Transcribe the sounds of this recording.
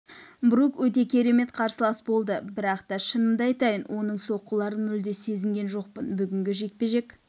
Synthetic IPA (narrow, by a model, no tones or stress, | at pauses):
bɾukwɵt̪̬e̞kʲʰe̞ɾe̞me̞t̪qʰɑɾsəlˠɑsbo̞lˠd̪əbɪɾɑqt̪ɑʃənəmd̪ɑjt̪ɑjənwʔo̞nəɴso̞qːəlˠɑɾənmʏld̪e̞se̞zɪŋɡʲe̞nʒo̞q̚pənbʏɡʲɪŋɡʲɪʒe̞k̪̚pe̞ʒe̞k